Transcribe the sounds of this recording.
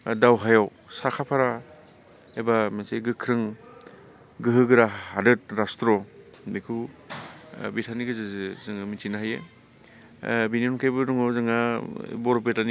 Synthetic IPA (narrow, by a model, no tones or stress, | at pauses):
dawɦajaw | sakʰapʰaɾa | ebamaseɡɯkʰɾɯŋ | ɡɯɦɯɡɯɾaadɯt̚ɾastɾɔ | mekʰu | bitʰaniɡɯzɯzɯzɯŋmitinaɦajḛ | biniɔnkʰajbɯɾɔŋɔzɯŋa̰bɔɾɔp̬etani